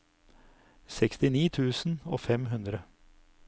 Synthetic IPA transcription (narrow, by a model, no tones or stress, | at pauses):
sɛkst̪ɪniːt̪ʰʉːsn̩oːfɛmɦʉnd̪ɾə